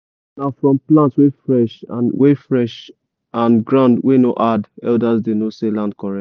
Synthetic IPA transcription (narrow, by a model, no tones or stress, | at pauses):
nafɹɔ̃mplãntwefɹɛʃwefɹɛʃ | ãnɡɹãʊ̃ndweno̰ʔadɛldazdenoselãnd̚kɔɹɛ